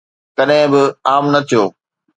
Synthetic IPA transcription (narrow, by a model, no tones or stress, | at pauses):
kɐɗɦɪ̃bɪaːmnɐt̪ʰijoː